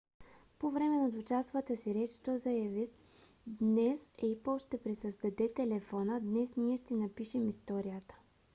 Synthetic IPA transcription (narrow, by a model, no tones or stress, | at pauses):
povɾɛmɛnɐd̪ot͡ʃast̪vət̪əsiɾɛt͡ʃi̥t̪ozɐjavis | d̪nɛsɛipɔʃt̪ɛpɾisəzd̪ɐd̪ɛt̪ɛlɛfɔnəd̪nɛsniɛʃt̪ɛnɐpiʃɛmist̪ɔɾijət̪ə̥